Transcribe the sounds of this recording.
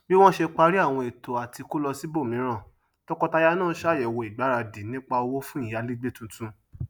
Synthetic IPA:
bi˦w̃ɔ̃˦ʃe˧k͡pa˧ɾi˦a˦˨w̃ɔ̃˧e˨to˨a˨ti˧ko˦lɔ˧si˦bo˦˨mĩ˨˦ɾ̃ã˦˨ | tɔ˦kɔ˦ta˧ja˧nãː˦˨˦ʃa˦˨jɛ˨wo˧˨i˨ɡ͡ba˨˦ɾa˧di˨nĩ˦k͡pa˧o˧wo˦fũ˦ĩ˦˨ja˨˦li˦ɡ͡be˦˨tũ˨˧tũ˧

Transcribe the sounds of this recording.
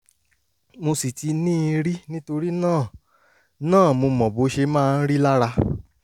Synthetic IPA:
mo˧si˨ti˧nĩː˦˧ɾi˦nĩ˦to˧ɾi˦nãː˦˨ | nãː˦˨mo˧mɔ̃˨bo˧˦ʃe˧mãː˦˧n̩˦ɾi˦la˦ɾa˧

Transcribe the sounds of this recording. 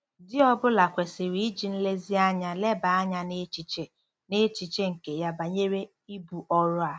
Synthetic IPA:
dɪ˦ɔ˦bʊ˦la˨kʷe˨sɪ˨ɾi˨˦i˦d͡ʒi˨n̩˦le˦zi˦a˦ɲa˦le˦ba˨a˦ɲa˦ne˦t͡ʃi˨t͡ʃe˦ | ne˦t͡ʃi˨t͡ʃe˦ŋ̩˨ke˨ja˦ba˨ɲe˦ɾe˦ | i˦bu˨ʔɔ˦ɾʊ˦a˨

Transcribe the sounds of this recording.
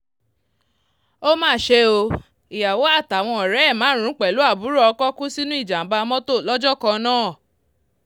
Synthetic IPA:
o˦mãː˦˨ʃe˧o˧ | i˨ja˨wo˨˦a˦˨ta˨w̃ɔ̃˧ɔ˨ɾɛ˨˦ɛ˦˨mãː˨˦ɾ̃ũ˨˦k͡pɛ˨lu˨˦a˦˨bu˨˦ɾɔ˦ɔ˧kɔ˦kũ˦si˦nũ˦i˦˨d͡ʒa˨m̩˨˦ba˧mɔ̃˦to˦˨lɔ˦d͡ʒɔ˦kɔ̃˧nãː˦˨

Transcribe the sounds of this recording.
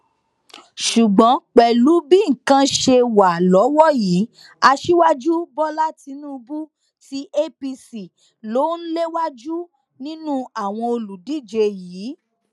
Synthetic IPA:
ʃu˨ɡ͡bɔ̃˨˦k͡pɛ˨lu˨˦bi˦ŋ̩˨kã˧ʃe˧wa˨lɔ˨˦wɔ˦ji˨˦ | a˧ʃi˦wa˦d͡ʒu˦bɔ˦la˦ti˧nũ˦˧bu˦ | ti˦ʔe˦pi˧si˨ | lo˨˦n̩˦le˦wa˦d͡ʒu˦ | nĩ˦nũ˦a˦˨w̃ɔ̃˧o˧lu˨di˦˨d͡ʒe˧jiː˨˦

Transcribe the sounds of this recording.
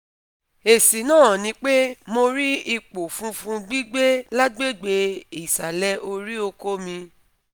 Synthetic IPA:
e˨si˨nãː˦˨nĩ˧˦k͡pe˦mo˧ɾi˦i˦k͡po˨fũ˦fũ˧ɡ͡bi˦ɡ͡be˦la˦ɡ͡be˦˨ɡ͡be˧i˨sa˨lɛ˦ʔo˧ɾi˦o˧ko˦mĩ˧

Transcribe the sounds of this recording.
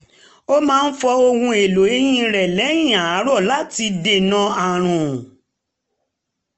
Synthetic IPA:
o˦mãː˦˧n̩˦fɔ˧o˧hũ˧e˨lo˨˦e˦jĩ˧ɾɛ˨lɛ˨˦j̃ĩ˦˨a˨a˨˦ɾɔ˦˨la˦ti˧de˦˨nã˧a˨ɾ̃ũ˨

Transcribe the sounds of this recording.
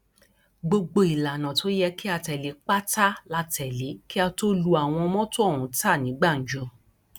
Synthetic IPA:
ɡ͡bo˧ɡ͡bo˧i˨la˨nã˨to˨˦jɛ˧ki˦a˧tɛ˨le˨˦k͡pa˦ta˦la˧tɛ˨le˨˦ki˦a˧to˦lu˦a˨w̃ɔ̃˧mɔ̃˦to˦˨ɾũ˨˦ta˦˨nĩ˨˦ɡ͡ba˦˨n̩˨˦d͡ʒõ˨˧

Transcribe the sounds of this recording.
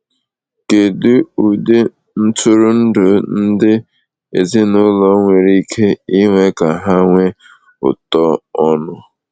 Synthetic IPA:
ke˨du˦u˨de˦ | n̩˦tʰʊ˦ɾʊ˦n̩˦dʊ˨n̩˦dɪ˦ | e˨zɪ˦nʊ˦lɔ˦ŋʷe˨ɾi˦kʰe˦i˦ŋʷe˦ka˨ɦa˦ŋʷe˦ | ʊ̰˨tɔ˦ɔ˦nʊ˦

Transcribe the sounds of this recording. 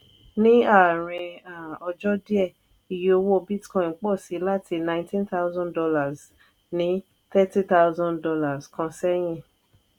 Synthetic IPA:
nĩ˦a˦˨ɾ̃ĩ˧ã˨ɔ˧d͡ʒɔ˦di˦ɛ˦˨ | i˧jo˦o˦˧wo˦˨bi˦tkɔ̃˧˨˦k͡pɔ˦˨si˨˦la˦tʰi˧nã˧ɪ̃˦tĩ˦nt̪a˦wzɔ̃˦ndɔ˧la˨z | nĩ˨˦ | t̪ɛ˦ti˦t̪a˦ʊzɔ̃˦ndɔ˧la˨skɔ̃˧sɛ˦j̃ĩ˦˨

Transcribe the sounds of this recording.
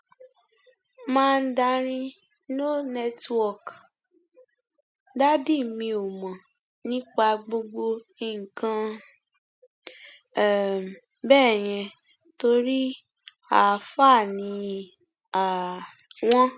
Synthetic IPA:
mãː˦˧n̩˦da˧ɾ̃ĩ˦ | no˦nɛ˦twɔ˦˨k | da˦di˦˨mĩ˧o˨mɔ̃˨ | nĩ˦k͡pa˧ɡ͡bo˧ɡ͡bo˧i˨ŋ̩˨kã˧˦ | bɛ˦˨j̃ɛ̃˧ | to˧ɾi˦ | a˨fa˦˨nĩ˧ | a˨ | w̃ɔ̃˦

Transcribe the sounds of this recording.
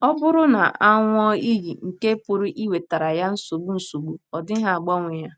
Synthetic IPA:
ɔ˦bʊ˦ɾʊ˦na̰˨ʔa˦ŋʷ˦ɔ˦i˦ɣi˨ŋ̩˨ke˦pʊ˨ɾʊ˦ʔi˦we˨ta˨ɾa˨ja˦n̩˦so˨ɡ͡bu˦n̩˨so˨ɡ͡bu˦ɔ˨dɪ˦ɦa˨a˨ɡ͡bɔ˦ŋʷe˨ja˦

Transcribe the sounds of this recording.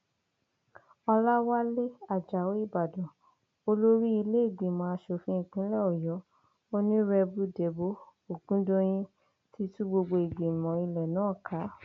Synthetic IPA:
ɔ˧la˦wa˦le˦a˦˨d͡ʒa˨wo˨˦i˦˨ba˨dɔ̃˨ | o˧lo˦ɾi˦i˧le˦e˦˨ɡe˨mã˧a˧ʃo˧fĩ˦ĩ˨k͡pĩ˨˦lɛ˦˨ɔ˨jɔ˨˦ | o˦nĩ˦ɾɛ˧bu˦de˨bo˦o˨ɡũ˦dõ˦j̃ĩ˧ | ti˦tũ˦ɡ͡bo˧ɡ͡bo˧e˨ɡe˨mɔ̃˨i˧lɛ˨nãː˨˦˨kʰa˨˦

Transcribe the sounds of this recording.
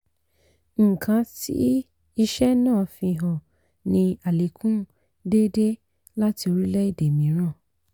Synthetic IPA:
ŋ̩˨kʰã˨˦tḭ˦ | i˧ʃɛ˦nãː˦˨fĩ˧˨ɦɔ̃˨ | nĩ˧a˨le˨˦kʰũ˦ | de˦de˦ | la˦ti˧o˧ɾi˦lɛ˦i˦˨de˨mĩ˨˦ɾ̃ã˦˨

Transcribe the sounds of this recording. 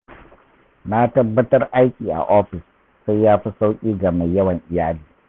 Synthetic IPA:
na˦tɐ˦bːɐ˦tɐ˦rʔa˦jkʲiː˨ʔa̰˨ʔoː˦ɸɪ˨sː | a˦jːaː˦ɸi˦sa˦wkʲʼiː˦ɡa˨ma˨jːɐ˦wɐ˨ŋʔɪ˨jaː˦liː˨

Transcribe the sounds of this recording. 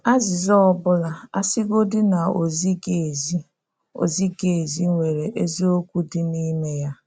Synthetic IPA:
a˦zɪ˨zɔ˦ɔ˦bʊ˦la˨a̰˦sɪ˦ɡo˦dɪ˦na˨o̰˨zi˦ɡe˨zi˦ | o̰˨zi˦ɡe˨zi˦ŋʷe˨ɾe˨ʔe˦zi˦o˦kʷu˦dɪ˦ni˦me˦ja˦

